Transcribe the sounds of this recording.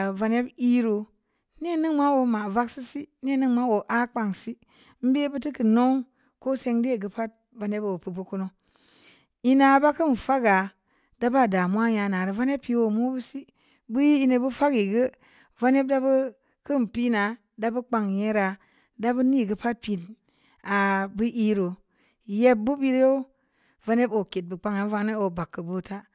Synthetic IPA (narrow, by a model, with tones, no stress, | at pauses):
va˨ne˦bi˦ɾo˨ | ne˦˨nɨ˦ŋma˦wo˨ma˨va˦ksi˦si˦ne˦˨nɨ˦ŋma˦wo˨ʔa˦k͡pa˨ŋsi˦ | m̩˦be˦bu˦ti˦ki˨no˦ŋ | ko˦se˧ŋde˦˨ɡə˦pa˦t̚ | va˨ne˦bo˨pɨ˨bu˦ku˦no˦ | i˦na˨ba˦kɨ˦n˨fa˦ɡa˨ | d̥a˦ba˦˨da˨mu˦a˦ja˨na˨ɾə˨va˦n˦e˦pːi˦wo˨mu˦bu˦si˦ | bɨ˦ji˦i˦ne˧˨bu˦fa˦ɡi˨ɡə˦ | va˦ne˦b̚da˦bə˦ | kɨ˦m˨pi˦na˨ | da˦bɨ˦k͡pa˨ŋje˦ɾa˨ | da˦bɨ˦ni˦˨ɡə˦pa˦t̚pi˨n | a˨bɨ˦ʔi˦ɾo˨ | je˦b̚bu˦bi˦ɾjo˦ | va˦ne˦bo˨ke˨t̚bɨ˨k͡pa˦ŋa˨˦va˧ŋ˦ne˦o˨ba˨kːə˨bu˦˨ta˦